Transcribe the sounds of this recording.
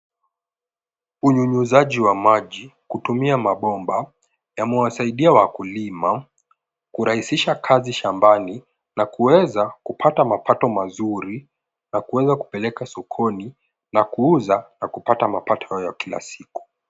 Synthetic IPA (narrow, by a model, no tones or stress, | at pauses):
uɲuɲuzaʄiwamaʄikutumiamaɓɔmba | jamɛwasaiɗiawakulima | kuɾahisiʃakʰaziʃambani | nakuwɛzakupʰatamapatɔmazuɾi | nakuwɛzaku̥pɛlɛkasɔkʰɔni | nakuuzanakupatamapatɔ̥hajakila̰siku̥